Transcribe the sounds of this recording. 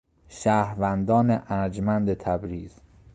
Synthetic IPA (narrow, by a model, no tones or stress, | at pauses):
ʃæːɾvænd̪ɒːneʔæɾd͡ʒmænd̪et̪ʰæbɾiːz̥